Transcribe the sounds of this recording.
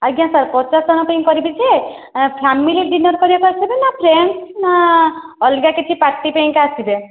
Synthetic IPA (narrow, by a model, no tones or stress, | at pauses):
aɡjãsaɾpɔt͡ʃasd͡ʒɔnɔpaĩkɔɾibit͡ʃʰie | pʰamiliɾd͡ʒinɔɾkɔɾibakaasibenapʰɾensna | ɔlɡakit̪ʰipaɾʈipaĩŋkaasibe